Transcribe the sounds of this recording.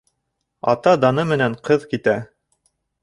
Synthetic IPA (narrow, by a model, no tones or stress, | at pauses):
ɑ̰t̪ɑd̪ɑnɤmɘ̆næɴqɤðkit̪æ